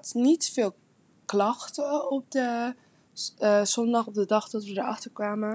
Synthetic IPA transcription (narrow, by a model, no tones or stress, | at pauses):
tnitfɪːlˠ | klɑxtəɔp̚də | sɔndɑχɔp̚dədɑχdɔtʋədəɹɑχtəɹkʋaːmə